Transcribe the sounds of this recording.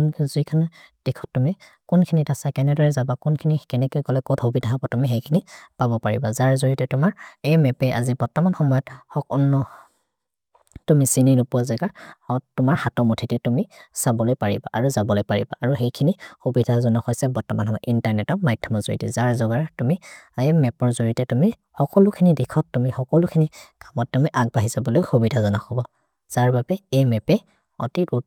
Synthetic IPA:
nzikʰanad̥ikʰɔ̥ttːumi | kʊnkʰinitasakɛnɛdɔɹɛzabakʊnkʰinikɛnɛkojɡɔlɛkɔthubidʱaɦabatumiɦejkʰinipabɔpaɹḭbazaɹzoɹitɛtʊmaɹɛjmɛpɛʔa̰zibɔɹtɔmanxɔmɔjɔthɔkɔnːɔ | tumisininʊpuwazɛɡahɔtʊmaɹhatɔmotʰitɛtumisabɔlojpaɹiba̰ʔaɹuzabɔlojpaɹḭba̰ʔaɹuxejkʰinixubidʱazɔnɔxɔjsɛbɔɹtɔmanhɔmɔjɔʔintaɹnɛtɔmajdʰʱjɔmɔzo̰ɹḭtɛ̰zaɹzɔɡaɹtumiemɛpɔɹzoɹitɛtumi | xɔkɔlʊkʰinidikʰɔtːumixɔkɔlʊkʰinikamɔtːumiʔaɡ̚baɦizabɔlojxubidʱazɔnaxɔbɔ | z̥aɹbabɛejmɛpɛ | ɔ̰titu

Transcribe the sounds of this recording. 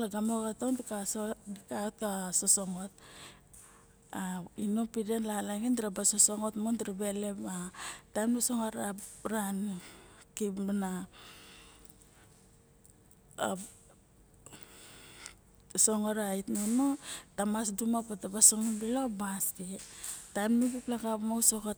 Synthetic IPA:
laɡamoɡatawndikadikaotkasoso̞ŋo̞t̚ | ainopidenlalaɡindiɾabasoso̞ŋo̞tmondiɾabe̞le̞patajmdasoŋaɾaɾan | kiana | soŋoɾaitnonotamasdumapatabaso̞ŋonbilobasketajmniɡiplakapmowsokot

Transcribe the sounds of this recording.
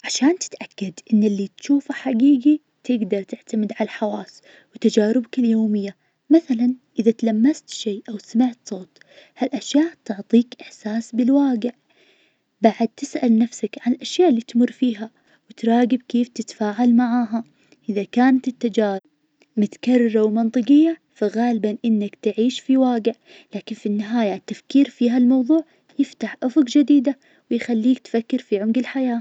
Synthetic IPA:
ʕaʃaːnt̪ɪ̥t̪ʔakːad̪ʔɪnːɪlːit̪ʃuːfaħaɡiːɡi | t̪ʰɪɡd̪ɑɾˤt̪ɪʕt̪amɪd̪ʕalalħawaːs | wt̪ad͡ʒaːɾɪbakɪljoːmɪjːa | maθalanʔɪðat̪alamːast̪ʃeːʔawsamɪʕt̪sˤoːt̪ | halʔaʃjaːʔt̪ʊʕt̪ˤiːkʔɪħsaːsbɪlwaːɡɪʕ | baʕad̪̚t̪ɪsʔalnafsakʕanɪlʔaʃjaːʔlːiːt̪mʊrˤːfiːɦa | wɪt̪ɾˤɑːɡɪb̚keːft̪ɪt̪faːʕalmaʕaːɦa | ʔɪðakaːnat̪ɪt̪ːad͡ʒaːɾ | mʊt̪ḁkɑrˤːɑɾˤawmɑnt̪ˤɨqɪjːa | faɣaːlɪbanʔɪnːakt̪ɪʕiːʃfiwaːɡɪʕ | laːkɪnfinːɪɦaːjat̪ːafkiːɾfiːɦalmɑwðˤuːʕ | jɪft̪aħʔʊfʊqd͡ʒɪd̪iːd̪a | wɪjxalːiːk̚t̪fakːɪɾfiʕʊmɡɪlħajaː

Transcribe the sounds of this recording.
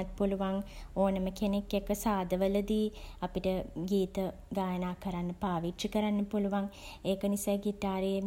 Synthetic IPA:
t̪̚puluʋaŋoːnəməkenekːekəsaːd̪əʋələd̪iːapiʈəɡiːt̪ə | ɡaːjənaːkəɾanːəpaːʋit͡ʃikəɾanːəpuluʋaŋeːkənisajɡit̪aːɾee

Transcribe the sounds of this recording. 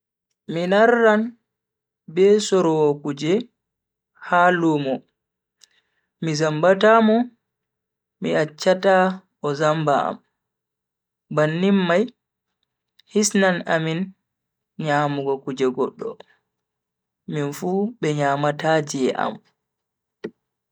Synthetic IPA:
minarːan | bɛsɔɾɔwɔkud͡ʒɛ | halumɔ | mizambatamɔ | miat͡ʃːata | ɔzamba̰a̰m | banːimːaj | hisnanamin | ɲaːmuɡɔkud͡ʒɛɡɔɗːɔ̰ | minfubɛɲaːmatad͡ʒiɛʔa̰m

